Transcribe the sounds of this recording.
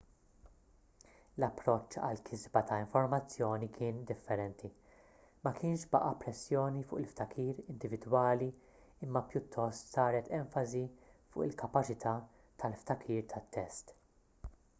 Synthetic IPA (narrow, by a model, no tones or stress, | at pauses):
lɐpːɾɔt͡ʃːɐ̰lkʰɪzbɐt̪ʰɐɪɱfɔɾmɐt͡sːjɔːnikʰɪːnd̪ɪfːɛɾɛnt̪ʰi | mɐkʰɪːnʃbɐʔɐpɾɛsːjɔːnifʊ̰ːʔɪlft̪ɐkʰiːɾɪnd̪ɪvɪd̪wɐːli | ɪmːɐpjʊt̪ʰːɔst̪sɐːɾɛt̪ɛɱfɐzifʊ̰ːʔɪlkɐpɐt͡ʃɪt̪ʰɐː | t̪ʰɐlft̪ɐkʰiːɾt̪ʰɐt̪ːɛst̪